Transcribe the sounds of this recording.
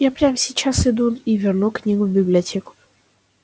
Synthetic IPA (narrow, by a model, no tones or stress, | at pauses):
japɾʲamsʲɪt͡ɕasɪd̪univʲɪrnuknʲimvbʲɪblʲɪɐtʲekʊ̥